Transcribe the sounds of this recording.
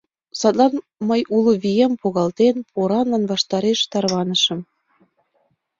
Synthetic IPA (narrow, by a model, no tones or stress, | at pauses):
sɑt̪lɑn | məjʔuloβijempoɣɑlt̪enpʰoɾɑnlɑnβɑʃt̪ɑɾeʃt̪ɑrβɑnə̆ʃə̆m